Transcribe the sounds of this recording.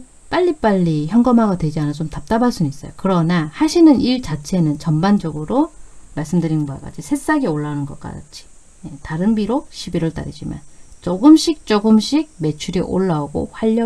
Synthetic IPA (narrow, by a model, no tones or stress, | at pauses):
p͈aʎːip͈aʎːiçjʌŋɡʌmɦaɡadwed͡ʑianat͡ɕomtap̚t͈abas͈unuis͈ʌjokɯɾʌnahaɕʰinɯniɭt͡ɕat͡ɕʰe̞nɯnt͡ɕʌmband͡ʑʌɡɯɾomaɭs͈ɯmdɯɾinmbaka̰d͡ʑisʰe̞s͈aɡioɭːaunɯnɡʌk͈a̰t͡ɕʰi̥ | jetaɾɯnbiɾoɕʰibiɾɯɭt͈a̰ɾid͡ʑima̰nt͡ɕoɡɯmɕʰik̚t͡ɕ͈oɡɯmɕʰiɡ̚me̞t͡ɕʰuɾiʔo̰ɭːauɡo̰ɸwaʎːʌ